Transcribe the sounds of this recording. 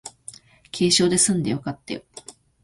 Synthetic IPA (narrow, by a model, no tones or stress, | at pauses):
kʲʰe̞ːɕo̞ːd̪e̞sɨ̃nd̪e̞jokat̪ːejo